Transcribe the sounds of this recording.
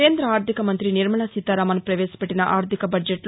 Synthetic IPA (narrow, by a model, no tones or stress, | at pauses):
eːnd̪ɾɐaːɾt̪ikɐmɐnt̪ɾiniɾmɐɳasit̪ːaːɾaːmɐnpɾɐʋeːsɐ̥peʈːinɐʔaːɾt̪ʰikɐbɐd͡ʒeʈl